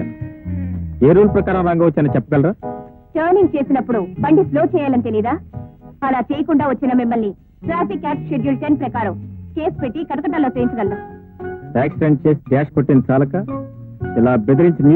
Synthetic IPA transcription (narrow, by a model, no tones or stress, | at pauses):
eːɾuːlpɾɐkaːɾɐmɾaːŋɡɐːʋɐt͡ʃːɐnɐt͡ʃɛpːɐɡɐlɾaː | ʈɐːɾniŋɡ̚t͡ʃe̞ːsinɐpːuɽubɐɳɖiploːt͡ʃɛːjaːlɐnt̪eliːd̪aːɐlaːt͡ʃeːjɐkuɳɖaːʋɐt͡ʃːinɐmimːɐlni | ʈɾaːpikːaːsʃeɾjulʈenpɾɐkaːɾɐmke̞ːspeʈːikɐʈɐkɐʈ̬ːɐloːt͡ʃeːjiɲt͡ʃɐɡɐlɾa | ʈaːksʈeɳɖ̚t͡ʃe̞ːsi̥kaːʂkoʈːint͡ʃaːlɐka | ilaːbed̪iɾiɲt͡ʃiniː